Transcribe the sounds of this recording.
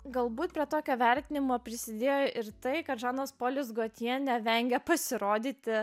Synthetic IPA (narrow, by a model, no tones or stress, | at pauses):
ɡɐlˠbuːt̪pʲɾʲiɛt̪oːkʲoːʋʲɛɾʲt̪ʲɪnʲɪmoːpʲɾʲɪsʲɪd̪ʲeːjoʔɪɾt̪ɐɪkɐt̪ʒɑːnoːspoːlʲʊs̬ɡoːt̪ʲiɛnʲɛʋʲɛŋʲɡʲɛpɐsʲɪɾoːd̪ʲiːt̪ʲɪ